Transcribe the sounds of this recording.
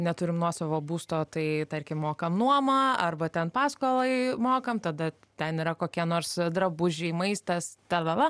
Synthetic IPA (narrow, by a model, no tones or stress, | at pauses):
nʲɛt̪ʊɾʲɪmnuɔsɐʋoːbuːst̪oːt̪ɐɪt̪ɐɾʲkʲɪmmoːkɐmnuɔmɐɐrbɐt̪ʲɛnpɑːskoːlˠɐɪmoːkɐmt̪ɐd̪ɐ | t̪ʲɛniɾɐkoːkʲiɛnoːrsd̪ɾɐbʊʒʲɛɪmɐɪst̪ɐst̪ɐlˠɐʋɐ